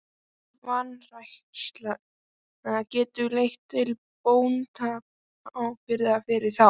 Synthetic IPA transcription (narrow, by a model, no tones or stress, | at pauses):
vanrajhkst̪la | ɛacɛːt̪ʏlejht̪ʰːɪl | poːwnt̪ʰaːp̚ | ʔɔwpɪɾðafɪɾɪɾθa